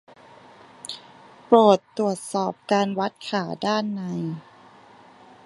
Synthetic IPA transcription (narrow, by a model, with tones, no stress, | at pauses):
pɾoː˨˩t̪ːɾu˨˩ət̪̚sɔː˨˩p̚kaː˧nwa˦˥t̪̚kʰaː˩˦daː˥˩nːa˧j